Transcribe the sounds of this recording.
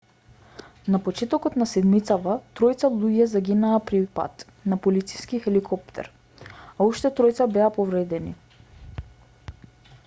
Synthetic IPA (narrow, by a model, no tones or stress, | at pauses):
napɔt͡ʃɛt̪ɔkɔt̪nasɛd̪mit̪sat̪at̪ɾɔjt̪salˠuɟɛzaɡinaːpɾipa̰t̪ | napɔlit̪siskixɛlikʰɔpt̪ʰɛ̰ɾ | auʃt̪ɛt̪ɾɔjt̪sabɛapɔvɾɛd̪ɛnḭ